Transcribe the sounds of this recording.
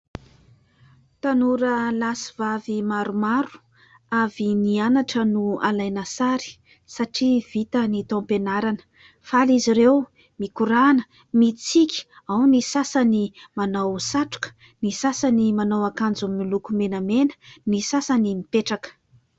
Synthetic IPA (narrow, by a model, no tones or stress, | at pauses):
t̪anuɾəlasivavimaɾumaɾu̥ | avinianaʈ͡ʂənualajnəsaɾi̥ | saʈ͡ʂiv̥it̪ənit̪ɔ̃penaɾanə̥ | faliziɾew | mikuɾanə̥ | mit͡sikʲi̥ | awnisasanimanawsaʈ͡ʂu̥kə̥ | nisasanimanawakand͡zummilukumenəmenə̥nisasanimipeʈ͡ʂakə̥